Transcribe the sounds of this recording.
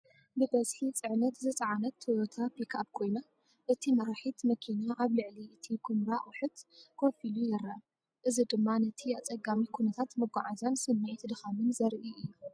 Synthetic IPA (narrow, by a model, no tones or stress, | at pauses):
bɨbɐzħit͡sʼɨʕnɐt̪zɨt͡sʼɐʕanɐt̪ʰːot̪ʰapʰikʰap̚kʰo̞jna | ʔɨt̪ʰimɐɾaħit̪mɐkʰinaʔaβlɨʕliɨt̪ʰikʰumɾawħɨt̪kʰofilujɛɾɐa | ʔɨzid̪ɨmːanɐt̪ʰiat͡sʼɐɡamikʰunɐt̪ʰat̪mɨɡʷaʕazansɨmːɨʕt̪d̪ɨxamɨnzɐɾʔiʔɨjːu